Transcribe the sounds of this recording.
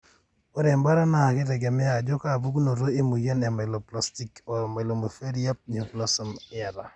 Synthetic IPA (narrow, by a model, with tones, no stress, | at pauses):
o˦ɾe˨mba˦ɾa˦na˦a˨kɪ˦ɾɛ˨ɡɛ˨mɛ˦a˨d͡ʒo˦ka˦˨bu˦ɡno˨ɾo˦i˦mu˨je˦nɛ˨ma˨lo˨pla˨sti˨ko˨ɾma˨lo˨mu˨fe˦ɾi˦ja˦p̚ɲo˨kla˦sɔ˦m˦a˨ɾa˨